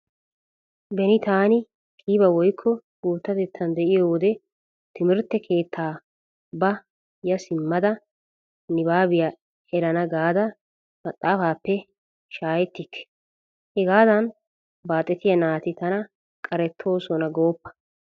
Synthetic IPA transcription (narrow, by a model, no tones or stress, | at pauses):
bɛnɪt̪aːnɪ | kʰʼiːbɐwɔjkʰːɔɡ̥uːt̪ːɐt̪ɛt̪ʰːɐnd̪ɛʔɪjoːwd̪ɛ | t̪ɪmɪɾt̪ːɛkʰe̞ːt̪ʰːaː | bɐ | jɐsɪmːɐd̪ɐ | nɪbaːbɪja | ɛɾɐnɐɡaːd̪ɐ | mɐt̪ʼːaːfaːpːɛ | ʃaːjɛt̪ːɪkʰːɛ̥ | hɛɡaːd̪ɐn | baːt̪ʼːɛt̪ɪjɐnaːt̪ɪt̪ɐnɐ | kʼɐɾɛt̪ʰːo̞ːsɔnɐɡo̞ːpːɐ̥